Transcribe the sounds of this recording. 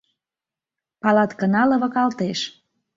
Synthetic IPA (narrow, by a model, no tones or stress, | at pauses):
pɑlɑt̪kənɑlɤ̆βɤ̆kɑlt̪eʃ